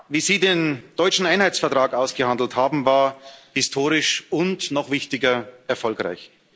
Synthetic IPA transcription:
viːziːdeːnd̥ɔʏt͡ʃn̩ʔaɪnhaɪt͡sfɛɐtʁ̥aːkaʊsɡ̥əhandl̩thaːbm̩vaːɐhɪstʰoːʁɪʃʊntnɔχv̥ɪçtɪɡɐʔɛɐfɔlkʁa̰ɪç

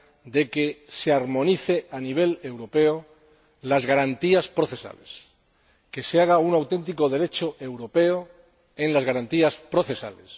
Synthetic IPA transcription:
d̪e̞ke̞se̞aɾmõ̞niθe̞ʔaniβ̞e̞le̞wɾo̞pe̞o | lazɣaɾant̪iaspɾo̞θe̞sa̰les | ke̞seaɣ̞aunawt̪e̞nt̪̬iko̞ð̞e̞ɾe̞t͡ʃoʔe̞wɾo̞pe̞o | enlazɣaɾant̪iaspɾo̞θe̞sa̰les

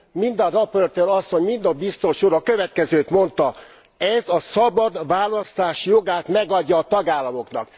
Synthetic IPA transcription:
mind̪ɒɾoport̪eɾɒsːo̞ɲmind̪ɒbist̪o̞ʃuɾɒkøvɛt̪kɛzøːt̪mo̞nt̪ɒ | ɛzɒsɒbɒd̪ʋaːlɒst̪aːʃjo̞ɡaːt̪mɛɡɒɟːɒːt̪ɒɡaːlːɒmo̞knɒ̰k

